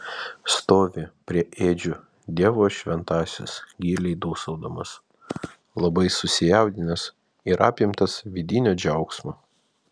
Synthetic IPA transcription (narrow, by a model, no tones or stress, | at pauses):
st̪oːʋʲɪpʲɾʲiɛʔeːd͡ʒʲʊ | d̪ʲiɛʋoːʃʲʋʲɛnt̪ɑːsʲɪ̰sɡʲiːlʲɛɪd̪uːsɐʊd̪omɐs | lˠɐbɐɪsʊsʲɪjɛˑʊd̪ʲɪnʲɐs | iɾʔɑːpʲɪmt̪ɐsʋʲɪd̪ʲɪnʲoːd͡ʒʲɛʊksmoː